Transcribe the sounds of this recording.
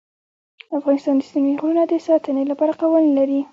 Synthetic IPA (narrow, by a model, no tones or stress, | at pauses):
d̪afɣɑnɪst̪ɑnd̪əsimiɣunad̪əsɑt̪ənelapɑɾaqawəllaɾi